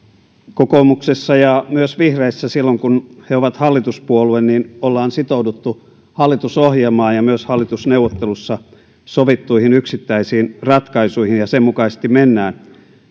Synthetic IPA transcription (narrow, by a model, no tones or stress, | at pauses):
kokomuksesːɑjɑmyøsʋihreisːæsilːoŋkunheoʋɑt̪hɑlːit̪uspuoluenniːnolːɑːnsit̪oudut̪ːu | hɑlːit̪usohjelmɑːnjɑmyøshɑlːit̪usneuwʋot̪ːelusːɑ | soʋit̪ːuihinyksit̪ːæisiːnrɑt̪kɑisuihinjɑsemmukɑisest̪immenːæːn